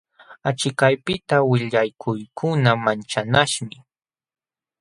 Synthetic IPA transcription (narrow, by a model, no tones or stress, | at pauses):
at͡ʃɪkajpɪt̪awɪʎajkʰʊjkʰʊnamant͡ʃanaʃmɪ